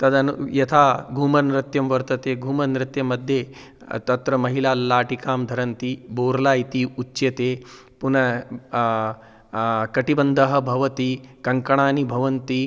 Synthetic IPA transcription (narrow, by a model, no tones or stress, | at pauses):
t̪ɐd̪ɐnjɐt̪ʰaɡʱuːmɐnɾɐt̪jɐmʋɐɾt̪ɐt̪eɡʱuːmɐnɾɐt̪jɐmːɐd̪ʱje | t̪ɐt̪ɾɐmɐɦilaːlaːʈikaːmd̪ʱɐɾɐnt̪iːboːɾlaːjt̪iːutːɕjɐt̪eː | punɐ | kɐʈibɐnd̪ʱɐɦɐ̆bʱɐʋɐt̪iːkɐŋkɐɳ̃aːnibʱɐʋɐnt̪iː